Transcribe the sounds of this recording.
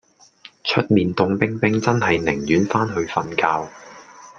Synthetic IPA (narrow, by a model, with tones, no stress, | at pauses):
t͡ʃʰɵ˥t̚miː˨nt̪ʊ˧ŋpɪ˥ŋpɪ˥ŋt͡sɐ˥nɦɐ˨jnɪ˨˩ŋjyː˨˥nfaː˥nɦɵ˧ɥfɐ˧nkaː˧w